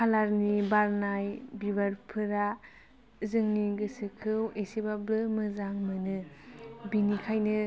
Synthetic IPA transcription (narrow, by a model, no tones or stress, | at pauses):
kʰalaɾnibaɾnajbiβaɾpʰɯɾa | zɯŋniɡɯsɯkʰɯwesibablɯmɯzaŋmɯnɯbinikʰajnɯ